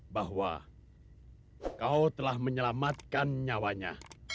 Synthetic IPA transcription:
baɦwa̰ | kaut̪əlahməɲəlamat̪̚kanɲawaɲa̰

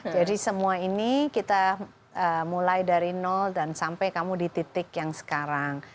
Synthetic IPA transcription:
d͡ʒadisəmuainikit̪a | əmulajdaɾinɔldansampajkamudit̪it̪ɪkjaŋsə̥kaɾaŋ

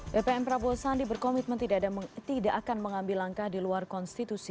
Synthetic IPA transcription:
bepeɛmpɾabuasandibərkɔmit̪̚mənt̪idadat̪idaʔakanməŋambilaŋkahdiluarkɔnst̪it̪usi

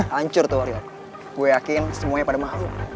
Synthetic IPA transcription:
aɲt͡ʃʊrt̪oaɾia | buejakɪnsəmuaɲapadamaɦaw

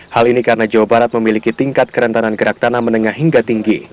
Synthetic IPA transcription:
halinikaɾənad͡ʒawabaɾat̪̚məmilikit̪iŋkat̪̚kəɾənt̪ananɡəɾak̚t̪anamənəŋahɦiŋɡat̪iŋɡi

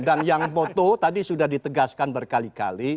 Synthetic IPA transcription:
danjaŋpot̪ot̪adisudahdit̪əɡaskanbərkalika̰li

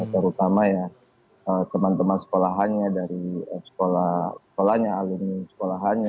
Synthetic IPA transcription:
t̪əɾut̪amaja | ət̪əmant̪əmansə̥kolaɦanɲadaɾiəsə̥kolasə̥kolahɲaalinisə̥kolaɦanɲa

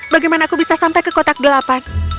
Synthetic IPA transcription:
baɡajmanaːkubisasampajkəkot̪ak̚dəlapan

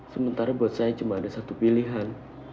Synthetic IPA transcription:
səmənt̪aɾabuat̪sajat͡ʃumaːdasat̪upiliɦan

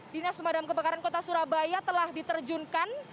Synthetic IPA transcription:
dinassəmadamkəbəkaɾankot̪asuɾabajat̪əlahdit̪ərd͡ʒunkan

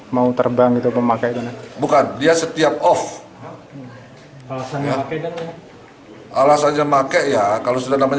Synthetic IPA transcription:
maut̪ərbaŋɡit̪ubəmakɛit̪unabukandiasət̪iap̚ɔf | alasaakd | ʔalasaɲɲamakɛʔjakalosudahnamaɲ

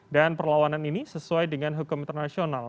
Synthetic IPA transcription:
danpərlawananinisəsuajdəŋanɦukʊmint̪ərnasional

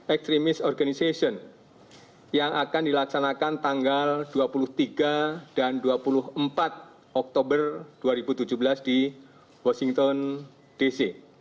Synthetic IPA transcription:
ɛkst̪ɾimɪsɔrɡanisesɔn | jaŋʔakandilaksanakant̪aŋɡald̥uapulʊht̪iɡad̥anduapulʊɦəmpat̪̚ | ʔɔk̚t̪obərd̥uaɾibut̪ud͡ʒubəlasd̥i | wɔsiŋt̪ɔn | d̥isi

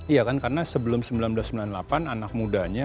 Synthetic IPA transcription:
ijakankarənasəbəlʊmsəmbilanbəlasəmbilanlapananak̚mudaɲa

